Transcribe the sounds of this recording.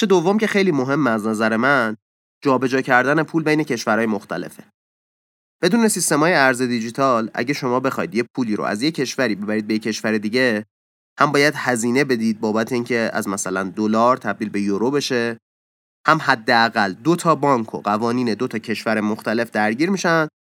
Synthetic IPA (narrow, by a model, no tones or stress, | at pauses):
ʃed̪ovːo̞mcʰe̞xe̞jliːmo̞ɦe̞mːeæznæzæɾe̞mæn | d͡ʒɒːbe̞d͡ʒɒːcʰæɾd̪æne̞pʰuːlbe̞jne̞cʰe̞ʃvæɾɒːjemoxt̪ʰæ̰le̞̰fe | b̥e̞d̪uːne̞sist̪e̞mɒːjeæɾze̞d̪id͡ʒit̪ʰɒlʔæ̰ɟeʃo̞mɒːbe̞xɒ̰jd̪jepʰuːliːɾo̰ʔæ̰zje̞cʰe̞ʃvæɾiːbe̞bæɾiːd̪̚bejecʰe̞ʃvæɾed̪iːɟe̞ | hæmbɒːjæd̪hæziːne̞be̞d̪iːd̪̚bɒːbæt̪ʰeiːŋcʰe̞æ̰zmæsælænd̪olɒːɾt̪ʰæbd̪iːlbe̞joɾobe̞ʃe̞ | hæmhæd̪ːeæɣæld̪o̞t̪ʰɒːbɒːŋkʰo̞̰ɢævɒːniːne̞d̪ot̪ʰɒːcʰe̞ʃvæɾemo̞xt̪æle̞fd̪æɾɟiːɾmiʃænd̪̥